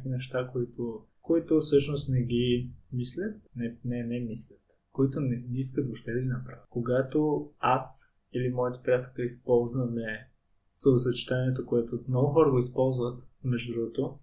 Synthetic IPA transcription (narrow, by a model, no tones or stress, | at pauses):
kinɛʃt̪akoit̪o | koit̪ʊfsɤʃnost̪nɛɡʲimislʲət̪nɛnɛnɛmislʲət̪ | koit̪onɛniskət̪̚boʃt̪ɛd̪əɡʲinɐpɾavkoɡat̪oas | ilimɔjət̪ɛ̥pɾijat̪ɛlʲkəispɔlˠzvɐmɛ | z̥ɐosɐt͡ʃi̥t̪aniɛt̪okoɛt̪omnɔɡʊxɔɾəɡoispɔlˠzvət̪mɛʒd̪d̪ɾuɡot̪o